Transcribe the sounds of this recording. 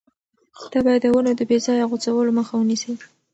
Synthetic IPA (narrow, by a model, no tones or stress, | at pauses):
xd̪̥abɑjad̪ːəwənod̪əbezɑjaɣot͡sawəloməxawənisəj